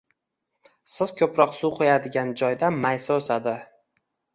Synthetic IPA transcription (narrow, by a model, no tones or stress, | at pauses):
sɪz̥kʲʰɵpɾɒqsuqʰojad̪ɪɡʲand͡ʒɒjd̪amajsaosad̪ɪ